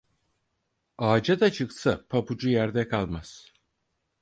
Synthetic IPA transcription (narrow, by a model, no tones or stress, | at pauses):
aːd͡ʒad̪at͡ʃʰɯksapʰapud͡ʒujæɾd̪ɛkʰalˠmaz̥